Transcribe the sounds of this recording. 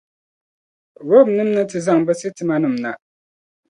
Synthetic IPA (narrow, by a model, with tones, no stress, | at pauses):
wo˦˨bnɨ˦mnɨ˦tɨ˨za˦˨ŋbɛ˦sɨ˦tɨ˨ma˦nɨ˨m̩na˨